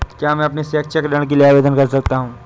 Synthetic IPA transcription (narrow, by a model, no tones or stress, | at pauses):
kjaːmɛ̃ɐpnesɛːk̚t͡ʃʰɛkɖɐ̃ɽ̃k̬elieaːʋeːd̪ənkɐɾsɐk̚t̪aɦũː